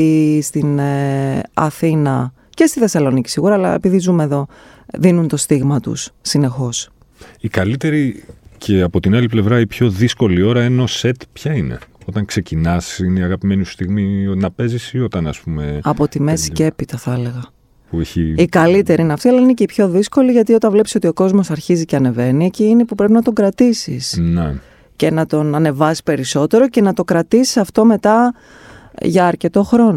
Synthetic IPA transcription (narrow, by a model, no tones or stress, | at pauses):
st̪in | ɐ̰θinɐ | ce̞st̪iθe̞sɐlo̞nici̥siɣuɾɐːlɐ̰epiðizumeðo̞ | ðinunt̪o̞st̪iɣmɐt̪ṵssːine̞xo̞s | ikɐlit̪e̞ɾicʰe̞ɐpo̞t̪inɐliple̞vɾɐipço̞ðisko̞lio̞ɾɐeno̞se̞t̪pçɐine̞̰o̞t̪ɐŋkse̞cinɐsineiɐɣɐpime̞nusst̪iɣmionɐpe̞zisio̞t̪ɐnɐspume̞ɐpo̞t̪imesi̥ce̞pit̪ɐθɐɐle̞ɣɐ | pueçiikɐlit̪e̞ɾiineɐft̪iɐlɐinece̞ipço̞ðisko̞liʝɐt̪io̞t̪ɐvle̞psi̥so̞t̪io̞ko̞zmo̞sɐɾçiziceɐne̞ve̞nieciine̞pupɾe̞p̬inɐt̪o̞ɡɾɐt̪isḭsne | ce̞nɐt̪o̞nɐne̞vɐsi̥pe̞ɾiso̞t̪e̞ɾoce̞nɐt̪o̞kɾɐt̪isi̥sɐft̪o̞me̞t̪ɐ | ʝɐːɾce̞t̪o̞xɾo̞no